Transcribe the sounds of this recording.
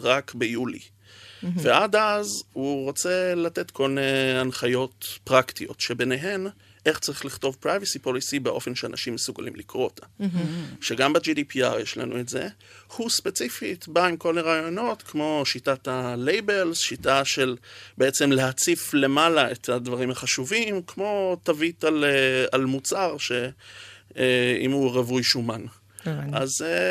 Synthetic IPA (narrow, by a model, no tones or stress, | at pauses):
ʁakbejulḭ | veʔadazhuʁot͡se̞late̞tkʰo̞lneanχajo̞tpʁaktio̞̰tʃe̞be̞neɦe̞n | ʔe̞χt͡saʁiχliχto̞vpʁajvisipo̞lisibeʔo̞fe̞nʃea̰na̰ʃimːesuɡalimlikʁo̞otʰamʃeɡambad͡ʒidipia̰ʁjeʃla̰nṵetze̞̰ | huspe̞t͡sifitbaimko̞leʁaːjo̞no̞t̪kmo̞ʃitatalejbe̞lzʃitaʃe̞lbeet͡se̞mle̞ɦat͡sifle̞malaethadvaʁimhaχaʃuvimkmo̞t̪avitalealmut͡saʁʃe̞ | ḭmuʁevujʃuman | aze